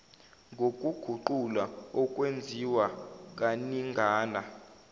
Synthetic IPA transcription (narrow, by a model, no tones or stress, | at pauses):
ŋɡʱok̬ʼuɡ̥ʱuǃulaɔkʼwend͡zʱiwak̬ʼaniŋɡʱaːna